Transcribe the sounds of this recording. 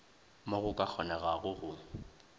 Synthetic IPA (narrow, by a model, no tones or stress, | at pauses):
moɣʊkʼak͡xʰɔnɛɣaɣʊɣʊ